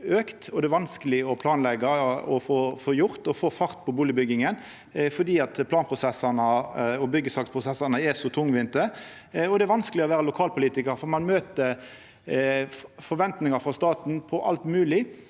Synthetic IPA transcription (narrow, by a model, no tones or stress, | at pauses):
øːkt̪ɔd̪ɛæʋɑnskəlɪɔpʰlɑːnlɛɡɑɔfoːfoːjʊʁt̪ɔfoːfɑʁt̪pʰɔbuːlɪbʏɡɪŋən | fɔd̪iːɑt̪pʰlɑːnpʰʁʊsɛsɑnəɔbʏɡːəsɑːkspʁʊsɛsɑnəɛsɔt̪ʰʊŋʋɪnt̪əɔd̪ɛæɾʋɑnskəlɪɔʋæːɾəlʊkʰɑːlpʊliːt̪ɪkəɾfɔʁmɑnmøːt̪ə | fɔɾʋɛnt̪nɪŋɑfɾɑst̪ɑːt̪n̩pʰɔʔɑ̰lt̪mʉːlɪ